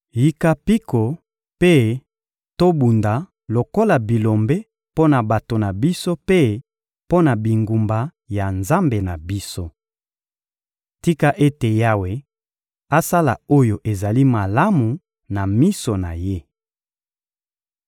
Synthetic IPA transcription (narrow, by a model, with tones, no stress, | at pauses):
ji˨ka˨pi˦ko˨ | pe˦ | to˦bu˨nda˨ | lo˨ko˦la˨bi˨lo˨mbe˦ | po˦na˨ba˨to˨na˨bi˦so˦pe˦ | po˦na˨bi˨ŋɡu˨mba˨ | ja˨nza˦mbe˨na˨bi˦so˦ | ti˦ka˦ʔe˦te˨ja˦we˨ | a˦sa˦la̰˨o˦jo˨ʔe˨za˨li˦ma˨la˦mu˨ | na˨mi˦so˨na̰˨je˦